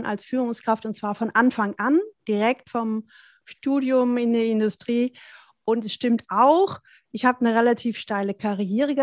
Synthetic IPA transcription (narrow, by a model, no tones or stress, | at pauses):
na̰lsfyːʁʊŋskʁ̥aftʊntt͡sv̥aːɐfɔnʔanfaŋʔand̥iʁɛktfɔm | ʃtuːdjʊmɪndeːɐɪndʊstʁ̥iː | ʔʊntɛsʃtɪmtʔaʊx | ʔɪçhaːbənəʁelatʰiːfʃtaɪləkʰaʁieːʁ̞əɡ